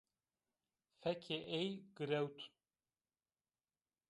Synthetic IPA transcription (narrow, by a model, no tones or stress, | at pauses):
fɛkʰeʔejɡɨɾɛwt̪ʰ